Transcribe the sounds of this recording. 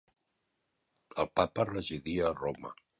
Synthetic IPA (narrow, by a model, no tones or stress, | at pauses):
əlˠpapərəziðiəːromə̰